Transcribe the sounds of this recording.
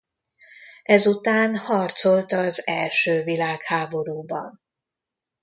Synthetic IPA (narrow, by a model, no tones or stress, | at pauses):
ɛzut̪aːnhɒrt̪so̞lt̪ɒzɛlʃøːvilaːkhaːbo̞ɾuːbɒ̰n